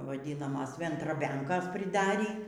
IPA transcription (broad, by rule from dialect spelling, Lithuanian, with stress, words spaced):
ʋɐˈdʲiːnɐmɐs ʋʲɛndrɐˈbʲɛŋkoːs pʲrʲɪˈdɑːrʲiː